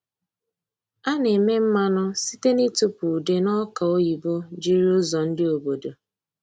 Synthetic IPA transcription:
a˦ne˨me˦m̩˦ma˦nʊ˦si˦te˦ni˦tu˦pu˨de˦nɔ˦ka˨o˦ji˨bo˦d͡ʒi˦ɾi˦ʊ˦zɔ˨n̩˦dɪ˦o˨bo˨do˨

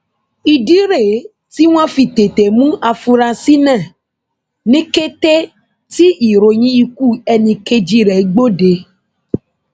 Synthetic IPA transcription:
i˨ɖi˦ɾe˨ | t̪i˦w̃ã˦fi˨t̪e˨t̪e˨mũ˦ʔa˨fu˨ɾa˨si˦nɛ̃˦˨ | nĩ˦ke˦t̪e˦ | t̪i˦i˨ɾo˨ɲĩ˦i˦ku˦e˨nĩ˨ke˦d͡ʒi˦ɾɛ˨˦ɡ͡bo˦ɖe˨

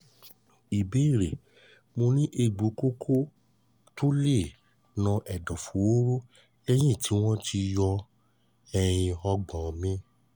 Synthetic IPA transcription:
i˨be˨˦i˦˨ɾe˨ | mo˧nĩ˦ʔe˧ɡ͡bo˨˦ko˦kʰo˦ | to˦le˦˨ | nã˧ʔɛ˨dɔ˨fu˨˦o˦ɾo˦ | ɛ˦j̃ĩ˦˨tʰi˨˦w̃ɔ̃˦tʰi˧jɔ˧ | ɛ˧j̃ĩ˧ɔ˧ɡ͡bã˨mĩ˦

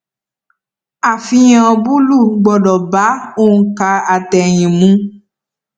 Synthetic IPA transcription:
a˨fĩ˧j̃ã˨bu˦lu˦˨ɡ͡bɔ˨dɔ˨ba˨˦o˦˨n̩˦ka˧a˨tɛ˨j̃ĩ˨mũ˨˦

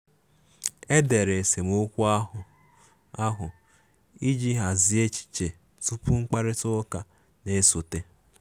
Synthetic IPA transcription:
e˦de˨ɾe˨e˨se˨mo˦kʷu˦a˦ʊ˨ | a˦ɦʊ˨ | i˦d͡ʒi˦ɦa˨zi˨e˦t͡ʃi̥˨t͡ʃe˨ | tu˦pu˦ŋ͡m̩˦k͡pa˦ɾɪ˦tʊ˦ka˨ | ne˦so˨te˦

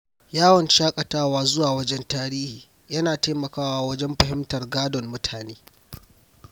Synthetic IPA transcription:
jaː˦wɐ˨nʃaː˦kʼɐ˨taː˦waː˦zʊ˦waː˨wɐ˦d͡ʒɛ˦ntaː˦ɾiː˦hiː˨ | jɐ˦naː˨te˦mɐ˨kaː˦waː˦wɐ˦d͡ʒɛ˦mɸɐ˨ɦɪ˦mtɐ˨rɡaː˦dɔ˨mːʊ˦tʰaː˨neː˦

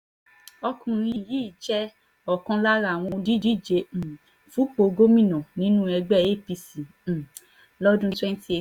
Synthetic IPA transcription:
ɔ˧kũ˨˧ɾ̃ĩ˧˨ji˨˦˨d͡ʒɛ˦ | ɔ˨kã˧la˦ɾa˦˨w̃ɔ̃˧di˦di˨˦˨d͡ʒẽ˨˧˨ | fu˨˦k͡po˨˧ɡo˦mĩ˦˨nɔ̃˨nĩ˨˦nũ˦ɛ˧ɡ͡bɛ˦˨e˦˨pi˧sĩ˨ | lɔ˦dũ˦twɛ˦n˦ti˦e˨

